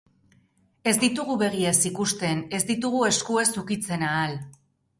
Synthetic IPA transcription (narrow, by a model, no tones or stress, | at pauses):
e̞zd̪it̪uɣuβe̞ɣ̞iesikust̪e̞ne̞zd̪it̪̬uɣ̞ue̞skue̞sukit͡se̞naːl